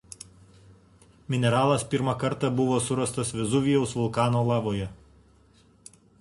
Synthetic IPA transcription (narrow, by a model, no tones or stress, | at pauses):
mʲɪnʲɛɾɑːlˠɐspʲɪɾmɑkɐɾt̪ɑbʊʋoːsʊɾɐst̪ɐsʋʲɛzʊʋʲɪjɛʊsʋʊlˠkɑːnoːlˠɑːʋoːjɛ